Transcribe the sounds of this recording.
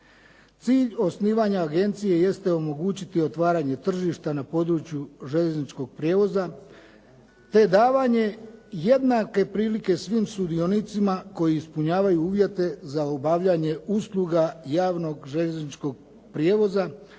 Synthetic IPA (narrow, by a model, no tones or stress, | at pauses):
t̪siːʎo̞sniːʋaɲaːɡe̞nt̪sije̞je̞st̪e̞o̞mo̞ɡuːt͡ɕit̪io̞t̪ʋaːɾaːɲe̞t̪r̩ʒiʃt̪anapo̞d̪ɾut͡ɕjuʒe̞ʎeznit͡ʃko̞ɡ̚pɾje̞ːʋo̞za | t̪e̞d̪aːʋaɲe̞je̞d̪nake̞pɾiːlike̞sʋimsud̪io̞nit̪simako̞jiːspuɲaːʋajuuːʋje̞t̪e̞zaobaʋʎaɲe̞uslˠuɡajaːʋno̞ɡʒe̞ʎeznit͡ʃko̞ɡ̚ | pɾjeːʋo̞za